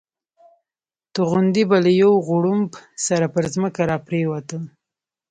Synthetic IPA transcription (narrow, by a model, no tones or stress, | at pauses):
t̪ʊɣʊnd̪ibalajawɣʊɽumbsaɾapəɾzməkaɾɑpɾewat̪əl